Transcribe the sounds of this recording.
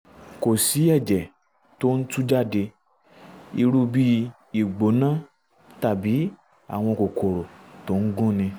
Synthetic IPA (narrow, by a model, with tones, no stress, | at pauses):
ko˨si˨˦ɛ˦˨d͡ʒɛ˨ | to˦n̩˦tu˦d͡ʒa˦˨de˧ | i˧ɾu˧bi˦ | i˨ɡ͡bo˨˦nã˦˨ | ta˦˨bi˨˦ | a̰˦˨w̃ɔ̃˧ko˨kʰo˨ɾo˨to˨˦ŋ̩˦ɡũ˦nĩ˧